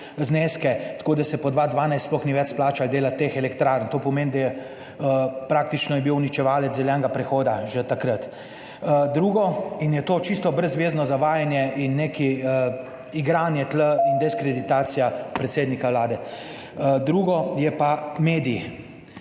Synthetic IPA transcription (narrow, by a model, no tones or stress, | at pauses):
zneːskɛt̪koːd̪asɛpɔd̪ʋaːd̪ʋaːnajst̪splɔxniʋɛt͡ʃsplaːt͡ʃald̪eːlat̪ːeːxɛlɛkt̪ɾaːɾnt̪oːpɔmeːnd̪ajɛ | pɾaːk̚t̪it͡ʃnɔjɛbiwnit͡ʃɛʋaːlɛt̪ɛljɛŋɡapɾɛxoːd̪aʒɛt̪akɾət̪ | d̪ɾuːɡɔinjɛt̪oːt͡ʃist̪ɔbɾəzʋeːznɔzaʋaːjanjɛʔinːekiə | iɡɾaːnjɛt̪ləind̪ɛskɾɛd̪it̪aːt̪sijapɾɛt̪seːd̪nikawlaːd̪ɛ | d̪ɾuːɡɔjɛpameːd̪i